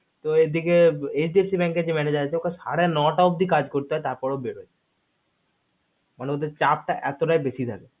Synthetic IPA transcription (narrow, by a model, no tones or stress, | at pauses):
t̪oed̪ikeesɖiesibɛŋked͡ʑemɛned͡ʑaɾat͡ɕʰeokesa̰ɽenɔʈaub̚d̪ʱikad͡ʑkoɾt̪eɦɔet̪aɾpɔɾobeɽot͡ɕe | maneod̪eɾt͡ɕap̚ʈaʔɛt̪oʈajbesit̪ʰa̰ke